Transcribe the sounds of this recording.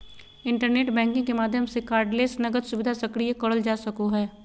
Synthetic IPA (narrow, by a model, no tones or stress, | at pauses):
ɪ̃ɳʈəɾneːʈbɛ̃ːŋkɪ̃ŋkemaːd̪ʱjəmsekaːɾɖleːsnɐɡəd̪sʊʋɪd̪ʱasɐkɽiekɐɽəld͡ʒaːsɐkoɦɛː